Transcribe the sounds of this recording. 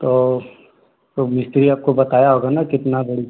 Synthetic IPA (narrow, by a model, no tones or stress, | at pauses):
t̪oː | t̪omɪst̪ɾiaːp̚kobɐt̪aːjaɦoːɡanakɪt̪nabɐɽi